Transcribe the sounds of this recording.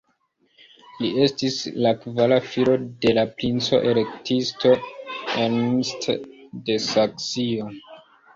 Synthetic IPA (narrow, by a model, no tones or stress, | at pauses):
lie̞stislakvalafilo̞de̞lapɾint͡so̞̰ʔe̞le̞ktisto̞enmstde̞saksio̞